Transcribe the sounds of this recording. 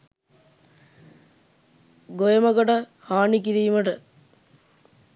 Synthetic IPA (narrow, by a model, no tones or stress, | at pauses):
ɡojəməkoʈə | haːnikiɾiːməʈə